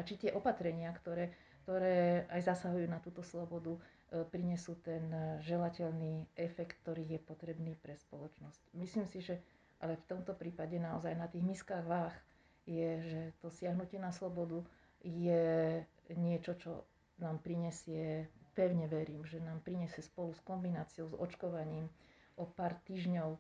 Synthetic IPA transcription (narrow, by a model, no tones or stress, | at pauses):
ʔat͡ʃit̪ɪɛʔɔpat̪ɾɛɲɪakt̪ɔɾɛː | kt̪ɔɾɛːajzasaɦujuːnat̪uːt̪ɔslɔbɔd̪u | pɾiɲɛsuːt̪ɛnʒɛlacɛlniːɛfɛkt̪ːɔɾiːɣjɛpɔt̪ɾɛbniːpɾɛspɔlɔt͡ʃnɔscmisliːmsiʒɛ | ʔalɛft̪ɔmt̪ɔpɾiːpaɟɛnaɔzajnat̪iːɣmiskaːɣʋax | jɛʒɛt̪ɔsɪaɦnucɪɛnaslɔbɔd̪u | jɛ | ɲɪɛt͡ʃɔt͡ʃɔ̰ | naːmpɾiɲɛsɪɛpɛʊɲɛʋɛɾiːmʒɛnaːmpɾiɲɛsɪɛspɔluskɔmbinaːt͡siɔʊzɔ̰t͡ʃkɔʋaɲiːm | ʔɔpaːɾt̪iːʒɲɔʊ